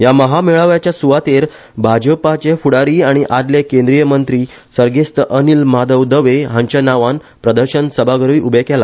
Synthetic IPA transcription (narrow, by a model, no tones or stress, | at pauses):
jaməɦamiɭəʋjat͡ɕjasuʋat̪eɾ | bʱad͡ʑəpat͡ɕefuɽaɾiːaɽ̃iʔad̪lekẽnd̪ɾijəmənt̪ɾiː | səɾɡest̪əʔənilmad̪əʋd̪əʋeɦãɲt͡ɕanaʋan | pɾəd̪əɾɕənsəbʱaɡəɾʋiːʔubʱekɛla